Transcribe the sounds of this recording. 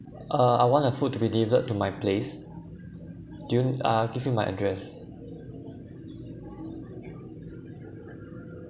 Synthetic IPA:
ʔəa̰jwɔ̃ntəfut̚ːubidilivələtːumajples | dujuaɡivjimajʔə̰dɹɛs

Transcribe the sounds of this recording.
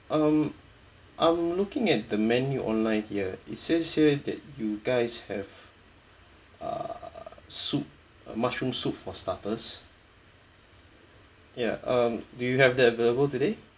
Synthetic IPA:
ʔʌm | ʔãɪmlukɪ̃ŋɛt̚dəmɛnjuʔɔ̰̃nlãɪ̃nhiəḭtsɛsədɛ̰t̚juɡaɪshɛv | ʌ̰ | sut̚ | mat͡ʃɹũmsutfɔstatəs | ja̰ʔʌ̃mdujuhɛvdɛtəveləbəltude

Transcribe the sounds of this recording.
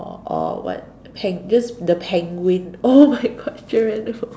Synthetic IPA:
ɔ̰wɔ̰t̚ | pʰɛ̃ŋdɛsdəpʰɛ̃ŋwĩnomaɪɡɔtt͡ʃiɹə̃n

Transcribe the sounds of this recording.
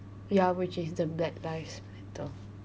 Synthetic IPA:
jawɪt͡ʃɪsdəbɛtlaɪfspɛ̃tʰəl

